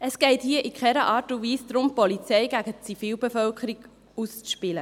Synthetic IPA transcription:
əsɡ̥ɛɪthiəʔikχɛɾəʔɑːɾtʊʋiːsd̥̪ɾʊmpɔlit͡sɛɪɡæɡət͡sifiːlbefœlkχəɾiɡ | ust͡sʃpɪlə

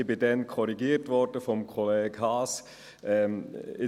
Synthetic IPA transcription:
bɪdɛnkʰɔɾiɡiːɾtʋɔɾd̥əfɔmkʰɔleːɡhɑːs | ʔɛɪ

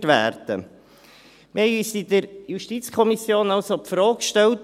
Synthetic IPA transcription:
tʋæ̰ːɾd̥ə̰ | mhɛɪyːsid̥̪əɾjuʃtit͡skʰɔmisjoːnɑʊsopfɾɔːkʃtɛlt

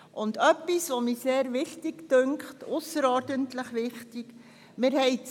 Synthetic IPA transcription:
ʔʊndœpːisʋomiːseːɾʋɪχtiktøŋkχtʊsəɾɔɾdəntləχʋɪχtik | mɪɾhɛɪ

